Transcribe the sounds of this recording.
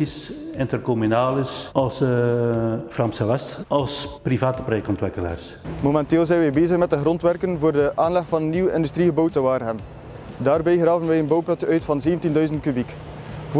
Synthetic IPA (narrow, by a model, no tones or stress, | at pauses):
isɪntərkomynaːlɪsɑlˠs | frɑmsəlɛstɑlˠsprivaːtəpɾojɛktɔntʋɪkəla̰ːrs | momɛnteːlˠzɛjnʋɛjbeːzəxmɛt̚dəɣrɔntʋɛrkənvoːrdəʔaːnlɛxfɑnənːiwəɪ̰ndystriɣəbɔwtəʋaːrɦən | daːrbɛjɣraːvənʋɛjənbɔwplɛtœɥtfɑnzeːvəntindœɥzənt̚kybik | v